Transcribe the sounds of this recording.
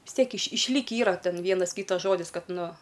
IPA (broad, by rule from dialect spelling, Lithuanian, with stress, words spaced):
ʋʲɪs ˈtʲiɛk ɪʃ ɪʃʲˈlʲiːkʲiː ˈiːrɐ ˈtʲɛn ˈʋʲiɛnɐs ˈkʲiːtɐs ˈʒoːdʲɪs ˈkɐt ˈnʊ